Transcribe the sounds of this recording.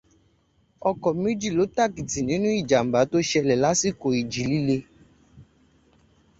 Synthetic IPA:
ɔ˧kɔ˨mẽ˦d͡ʒi˦˨lo˨˦ta˦˨ki˨ti˨nĩ˨˦nũ˦i˦˨d͡ʒa˨m̩˨ba˨˦to˦ʃɛ˧lɛ˨la˨˦si˦˨ko˨i˨d͡ʒi˨˦li˦le˧

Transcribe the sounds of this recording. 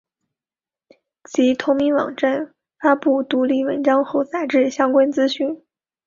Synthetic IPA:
t͡ɕʰi˧˥t̪ʰʊ˧˥ŋmi˧˥nwɑ̰˨˩ŋʈ͡ʂa˥˩n | fa˥pu˥˩t̪u˧˥li˥˩wə̰˧˥nʈ͡ʂɑ˥ŋxo˥˩ʊt͡sa˨˩ɪʈ͡ʂɻ̩˥˩ɕjɑ˥ŋkwa˥nt͡sɹ̩˥ɕy˥˩n

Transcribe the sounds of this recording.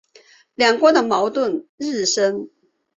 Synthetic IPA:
ljɑ˨˩ŋkwɔ˧˥d̪ə˨mɑ˧˥ʊt̪wə˥˩˨nɻ̩˥˩ʂə˥n

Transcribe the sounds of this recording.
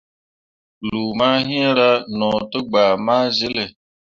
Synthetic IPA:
lu˨ma˦ɦĩ˦e˦ɾa˦nɔː˨tə˦ɡ͡baː˨ma˦zi˦le˨

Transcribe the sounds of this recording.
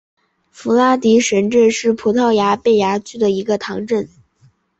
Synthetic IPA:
fu˧˥la˥t̪i˧˥ʂə˧˥nʈ͡ʂə˥˧nʂɻ̩˥˩pʰu˧˥t̪ʰɑ˥˩ʊja˧˥pe˥˩ɪja˧˥t͡ɕʰy˥˩d̪ə˩i˧˥ɡə˧t̪ʰɑ˧˥ŋʈ͡ʂə˥˩n

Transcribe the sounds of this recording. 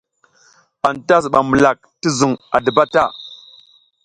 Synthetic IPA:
a˨nta˦s̬ɓa˨mə˨la˨k̚ti˦zu˨ŋa̰˨də˨ba˦ta˦˨

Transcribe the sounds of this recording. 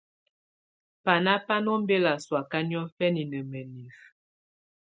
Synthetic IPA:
pa˨na˦pa˦nɔ˦m˦be˦la˨swa˨ka˦ni˦ɔ˦fɛ˦ni˨nə˨mə˨ni˨f

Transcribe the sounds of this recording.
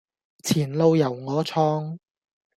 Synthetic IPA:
t͡sʰiː˨˩nlo˧wjɐ˨˩wŋɔː˨˧t͡sʰɔː˧ŋ

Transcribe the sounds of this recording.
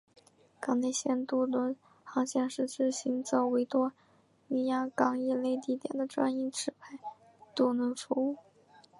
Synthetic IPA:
kɑ˨˩ŋne˥˧ɪɕjɛ˥˧nt̪u˥˩nwə˧˥n | xɑ˧˥ŋɕjɛ˥˧nʂɻ̩˥˧ʈ͡ʂɻ̩˥ɕi˧˥ŋt͡sɑ˥ʊwe˧˥ɪt̪wɔ˥ | ni˧˥ja˥kɑ˥ŋi˥˧le˥˧ɪt̪i˥˩t̪jɛ̰˨˩nd̪ə˦ʈ͡ʂwa̰˥ni˥˩ʈ͡ʂʰɻ̩˧˥pʰa˥˩ɪ | t̪u˥˩nə˧˥nfu˧˥u˥˩

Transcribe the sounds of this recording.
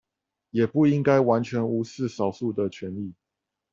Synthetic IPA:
jɛ˨˩pu˥˩i˦ŋka˥ɪwa˧˦nt͡ɕʰɥɛ˧˦˥ŋu˧˥sɹ̩˥˨sɑ˨˩ʊsu˥˩d̪ə˨t͡ɕʰɥɛ˧˦ni˥˩

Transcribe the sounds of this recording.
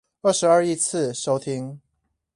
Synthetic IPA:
ə˥˩ʂɻ̩˧˦ə˞˥˧i˥˧t͡s̩ʰ˥˨ʂo˥ʊt̪ʰi˦˥ŋ

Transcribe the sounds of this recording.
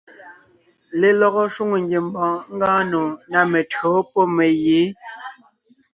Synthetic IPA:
le˨lɔ˦ɣɔ˦ʃu˦ŋo˨ŋɡje˨mbɔ̃ː˨˦ŋ̩˦ɡãː˦nõ˨na˨me˨tɰo˨˦pɔ˦me˨jeː˨˦

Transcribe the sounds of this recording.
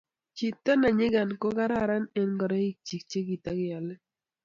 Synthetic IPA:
t͡ʃi˨t̪a˦na˨ɲɪ˦ɡa˨nko˦ɡa˦ɾa˦˨ɾa˦nɛ˦nɡɔ˨ɾa˦i˦k̚t͡ʃi˨k̚t͡ʃe˦ɡi˨t̪a˦ɡɪ˦a˨lɛ˦

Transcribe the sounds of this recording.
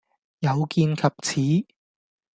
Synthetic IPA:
jɐ˨˧wkiː˧nkʰɐ˨p̚t͡sʰiː˨˥

